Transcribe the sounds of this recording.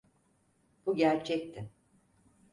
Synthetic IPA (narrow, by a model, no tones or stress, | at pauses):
b̥uɟæɾt͡ʃʰɛc̚t̪ʰɪ